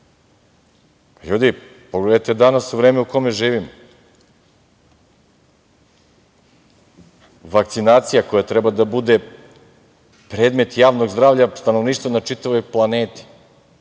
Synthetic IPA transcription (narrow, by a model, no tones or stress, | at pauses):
pajud̪ipoɡled̪ajt̪ed̪anasuʋɾeːmeuko̞meʒiːʋimo | ʋakt̪sinaːt̪sijako̞jat̪ɾɛbad̪abud̪e | pɾeːd̪me̞t̪jaːʋno̞ɡzd̪ɾaːvʎast̪ano̞ʋniːʃt̪vonat͡ʂit̪aʋo̞jplˠaneːt̪i̥